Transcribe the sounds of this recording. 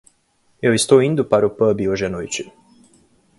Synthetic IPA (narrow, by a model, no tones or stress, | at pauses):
ewist̪oind̪upaɾupəbioʒenojt͡ʃi